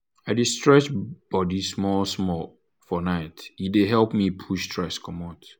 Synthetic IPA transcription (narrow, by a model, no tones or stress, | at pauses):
aɪdistɹɛt͡ʃb̥ɔdismɔlsmɔ | fɔnaɪtideɦɛlpmipʰuʃstʰɹɛskʰɔ̃mɔt